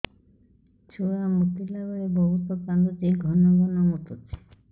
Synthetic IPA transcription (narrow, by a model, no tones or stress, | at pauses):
t͡ʃʰuamut̪ilabɔɭebɔɦut̪ɔkand̪ud͡ʒiɡʱɔnɔɡʱɔnɔmuʈ̪utʰe̥